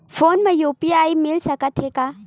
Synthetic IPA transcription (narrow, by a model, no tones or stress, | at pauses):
pʰoːnmajupiajmilsɐkat̪ʰeka